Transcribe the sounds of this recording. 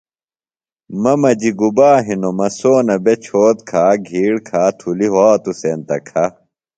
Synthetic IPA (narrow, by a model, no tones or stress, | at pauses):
mɐmɐd͡ʑiɡubaːɦinomɐsoːnɐbet͡ɕʰoːt̪̚kʰaːɡʱiːɽkʰaːt̪ʰuliɦaːt̪usent̪ɐkʰɐ